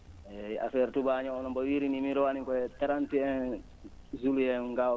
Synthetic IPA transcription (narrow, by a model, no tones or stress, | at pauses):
ɛa̰fɛɾtubaɲɔɔnɔmbɔwiɾinimiɾɔwanikɔɛtaɾantiɛn | zulujɛnŋɡa